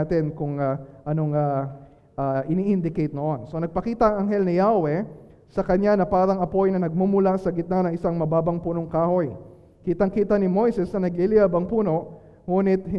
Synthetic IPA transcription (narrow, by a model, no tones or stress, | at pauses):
t̪ɪnkʊŋaʔɐno̞ŋa | ʔaʔɪniːʔɪnd̪ɪkejt̪̚noʔo̞nso̞nɐɡ̚pɐkiːt̪ɐʔɐŋʔɐŋɦɛlnɪjawɛ | sɐkɐɲanɐpaːɾɐŋɐpo̞jnɐnɐɡ̚mumʊlasɐɡɪt̪̚nanɐŋʔɪsaŋmɐbaːbɐŋpuːnoŋkaːho̞j | kiːt̪ɐŋkiːt̪ɐnɪmo̞jsɛsnɐnɐɡlɪlɪjabɐŋpuːno̞ʔ | ŋuːnɪt̪̚hɪ